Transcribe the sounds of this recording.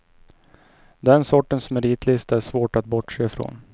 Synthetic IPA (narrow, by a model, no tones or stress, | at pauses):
d̪ɛnsɔʈːənsmɛɾiːt̪ʰlɪst̪æʂvoːʈat̪̚bɔʈʂeːfɾo̰ːn